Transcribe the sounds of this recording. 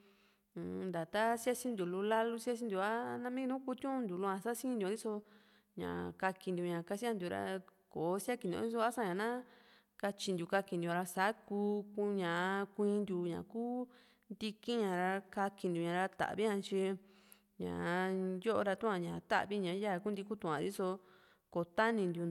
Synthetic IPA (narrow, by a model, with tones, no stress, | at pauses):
nd̪a˨t̪a˦sja˦sĩ˧nd̪ʲu˨lu˧la˦lu˦sja˦s̬ĩ˧˦nd̪u˧a˦˧nã˧mĩ˦˧nũ˦ku˧˦t̪jũ˦ʔũ˧nd̪u˨lu˧˦ã˧sa˦sĩ˦nd̪o˧d̪i˦so˧ | ɲã̰˨ka˧ki˧nd̪u˨˧ɲã˨ka˧si˦a˧nd̪u˨ɾa̰˧koː˨˦sa˦ki˧nõ̰˧˦i˦so˧a˦sã˦ɲã˨nã˦ | ka˧t͡ʃi˧nd̪ju˨ka˧ki˧nd̪u˧˨˧ɾa˧sa˨˦kuː˧ku˧ɲã˨˧kʷĩː˧nd̪ju˧ɲã̰˨kuː˦ | nd̪i˧ki˦ɲã˨ɾa˧ka˧ki˧nd̪ʲu˨ɲã˨˧ɾa˧t̪a̰˨βi˦ã˧t͡ʃi˧ | ɲã̰˨jo˦ʔo˧ɾa˧t̪ũ˦ã˧ɲã˨t̪a̰˦ʔβi˦ɲã˨˦ja˦˨˧ku˦nd̪i˧ku˦t̪ũ˧ã˨˧ɾi˦so˧ | ko˨t̪a˦nĩ˧nd̪ju˧